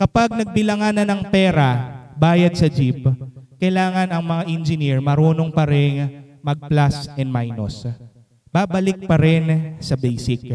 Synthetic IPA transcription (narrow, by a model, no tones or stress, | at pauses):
kɐpaɡ̚nɐɡ̚bɪlɐŋanɐnɐŋpɛːɾɐbaːjɐd̪̚sɐd͡ʒip̚kɐjlaːŋɐnɐŋmɐŋaʔɛnd͡ʒɪniɹmɐɾoːnoŋpɐɾɛŋmɐɡ̚plasɛnd̪̚majno̰s | b̥aːbɐlɪk̚pɐɾɪnsɐbɛjsɪk̚